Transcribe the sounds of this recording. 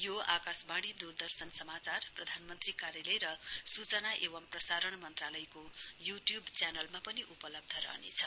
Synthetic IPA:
joakasbaɽ̃id̪urd̪ʌrsʌnsʌmat͡sarprʌd̪ʱanmʌnt̪rikaɾjalʌjɾʌsut͡sʌnaʔeβʌmprʌsaɾʌɳmʌnt̪ralʌjkojuʈjubt͡sanʌlmapʌniʔupʌlʌb̚d̪ʱʌɾʌ̰ɦnḛt͡sʰʌ

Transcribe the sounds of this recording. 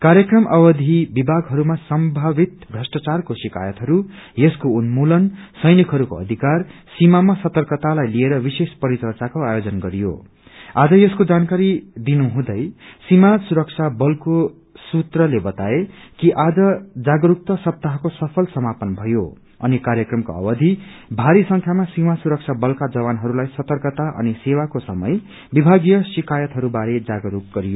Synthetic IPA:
kaɾjʌkrʌmʔʌbʌd̪ʱibibʱaɡɦʌɾumasʌmbʱabit̪bʱʌsʈat͡sarkosika̰jʌt̪ɦʌɾujʌskounmulʌnsʌjnikɦʌɾuko̰ʌ̰d̪ʱikar | simamasʌt̪ʌrkʌt̪alajlieɾʌbisespʌɾit͡sʌrt͡sakoajod͡zʌnɡʌɾijo̰ | ad͡zʌjʌskod͡zankaɾid̪inuɦũd̪ʌjsimasuɾʌk̚t͡ʃʰabʌlko | sut̪rʌlebʌt̪aekiʔad͡zʌd͡zaɡʌɾuk̚t̪ʌsʌp̚t̪aɦʌkosʌpʰʌlsʌmapʌnbʱʌjo | ʌ̰nikaɾjʌkrʌmkoʌ̰bʌd̪ʱi | bʱaɾisʌŋkʰjamasimasuɾʌk̚t͡sʰabʌlkad͡zʌbanɦʌɾulajsʌt̪ʌrkʌt̪aʔʌ̰nisewakosʌmʌj | bibʱaɡjʌsikajʌt̪ɦʌɾubaɾed͡zaɡʌɾuk̚ɡʌɾijo

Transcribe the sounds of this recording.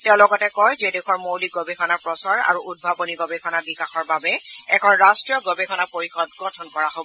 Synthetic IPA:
tɛʊ̃lɔɡɔtɛkɔjzedexʰɔɹmowliɡobexʰɔnapɹɔsaɹa̰ɹuʔud̚bʱabɔniɡɔbexʰɔnabikaxɔɹbabɛɛkʰɔnɹastɹijɔɡɔbexʰɔnapoɹixɔd̚ɡɔtʰɔnkɔɹaɦobɔ

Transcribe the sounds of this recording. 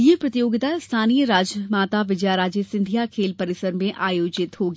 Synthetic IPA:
jepɾɐt̪ijoːɡɪt̪ast̪ʰaːnijəɾaːd͡ʒəmaːt̪aʋɪd͡ʒjaɾaːd͡ʒesɪ̃nd̪ʱijakʰeːlpɐɾɪsəɾmẽʔaːjoːd͡ʒɪt̪ɦoːɡ

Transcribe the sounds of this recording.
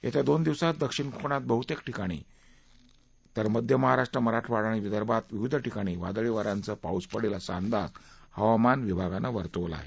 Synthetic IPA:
ja̰t̪jad̪ond̪iʋsat̪̚d̪əkʂiɳkʰoɳ̃at̪̚bəɦut̪ekʈikaɽ̃ḭ | t̪əɾməd̪ʱjəməɦaɾaʂʈɾəməɾaʈʋaɽaɽ̃iʋid̪əɾbat̪ʋiʋid̪ʱʈikaɽ̃iːʋa̰d̪ɭiʋəɾant͡səpauspəɽelasand̪ad͡zhəʋamanʋibʱaɡanaʋəɾt̪əʋla̰ɦḛ

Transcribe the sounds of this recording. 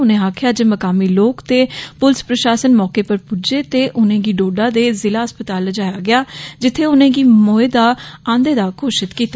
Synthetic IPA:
ʊnẽːaːkʰɪjaːd͡ʒeːməkaːmiːloːkt̪eːpʊlɪspɾəʃaːsənmɔːkeːpəɾpud͡ʒeːt̪eːʔʊnẽːɡiːɖoːɖãːd̪eːzɪlaːəspət̪aːlːəd͡ʒaːjaːɡɪjaːd͡ʒɪt̪ʰːeːʊnẽːɡiːmoːeːd̪aːãːnd̪eːd̪aːkʰoːʃɪt̪kiːt̪a

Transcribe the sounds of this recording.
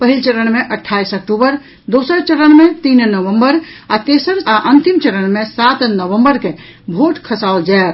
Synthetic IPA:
pəɦilt͡ʃəɾəɳmeʔəʈʰːaisək̚ʈubəɾ | d̪osəɾt͡ʃəɾəɳmet̪innəʋəmbəɾat̪esəɾaʔənt̪imt͡ʃəɾəɳmesat̪nəʋə̃mbəɾke | bʱoʈkʰəsaold͡ʒae

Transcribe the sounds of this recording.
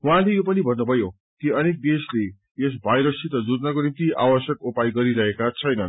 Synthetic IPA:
wɦãlejopʌnibʱʌnːubʱʌjo | kiʌnek̚d̪esle | es̬bʱajɾʌsit̪ʌd͡zud̪nʌkonimt̪iʔa̰wʌsjʌkupaiɡʌɾiɾʌɦekat͡sʰʌjnʌn

